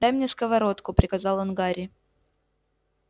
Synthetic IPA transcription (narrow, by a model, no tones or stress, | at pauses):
d̪amnʲeskəvɐɾo̞t̪kʊpɾʲɪkɐzɑlˠonɡaɾʲɪ